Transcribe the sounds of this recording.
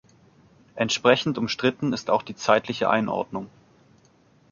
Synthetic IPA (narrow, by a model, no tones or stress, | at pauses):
ʔɛntʃpʁ̥ɛçn̩tʊmʃtʁ̥ɪtn̩ɪstaʊxd̥iːt͡saɪtʰlɪçəʔa̰ɪnʔɔ̰ɐdnʊŋ